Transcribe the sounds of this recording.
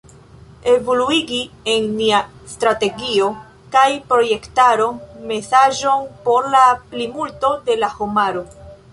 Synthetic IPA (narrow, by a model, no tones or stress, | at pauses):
e̞voluiɡienːiastɾate̞ɡio̞ | kajpɾo̞je̞ktaɾo̞me̞saʒo̞npo̞ɾlaplimulto̞de̞lahomaɾo̞